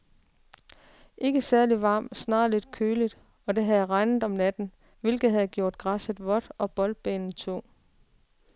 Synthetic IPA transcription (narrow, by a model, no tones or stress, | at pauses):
ʔe̝ɡ̥əsæɐliʋɑ̰̈ːmsnɑ̰̈ːle̝d̥kʰøːlid̥ | ɒ̽d̥e̝ɦæðˠʁɑ̈ɪnð̩ˠɒ̽mnæd̥n̩ | ʋe̝lɡ̥ð̩ˠhæð̞̩ˠɡ̥jo̝ɐ̰d̥̚ɡ̥ʁɑsəð̥ˠʋɒ̽d̥ʔɒ̽b̥ɒ̽l̥̚b̥ḛːnn̩t͡sʰo̝̰ː